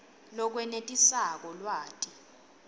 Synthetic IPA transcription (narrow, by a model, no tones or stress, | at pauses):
lɔk̬wɛnetʼisak̬ɔlwaːtʼi̥